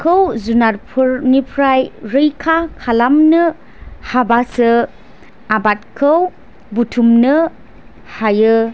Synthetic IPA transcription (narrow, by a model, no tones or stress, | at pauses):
kʰɯwzunaɾpʰɯɾnipʰɾajɾɯjkʰakʰalamnɯ | habasɯ | abat̚kʰɯw | butʰumnɯ | hajɯ